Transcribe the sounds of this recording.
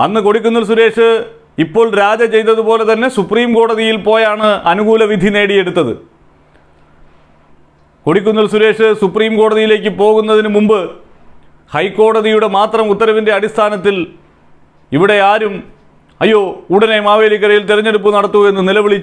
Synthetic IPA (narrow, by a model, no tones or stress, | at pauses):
ɐnːɨko̞ɽikʲːunːɐɭs̬uɾe̞ːʂɨ | ipːo̞ːɭɾaːd͡ʑɐt͡ɕe̞jt̪ːɐðupo̞ːle̞t̪ɐnːe̞supːriːmko̞ːɽɐðijilpo̞ːjaːɳɨɐnuɣuːlɐʋid̪ʱine̞ːɽije̞ɽut̪ːɐðɨ̰ | ko̞ɽikʲːunːɐlsuɾe̞ːʂɨsupriːmko̞ːɽɐðijile̞ːk̬ʲːɨpo̞ːɣunːɐðinɨmumbɨ | hɐjkːo̞ːɽɐðijuɽe̞maːt̪rɐmut̪ːɐɾɐʋinde̞ɐɽist̪ʰaːnɐt̪ːil | iʋiɽe̞aːɾum | ɐjːo̞ːuɽɐne̞maːʋe̞ːlik̬ːɐɾɐjilt̪iɾɐɲːe̞ɽupːunɐɽɐt̪ːuɣɐe̞nːɨnilɐʋiɭit͡ɕː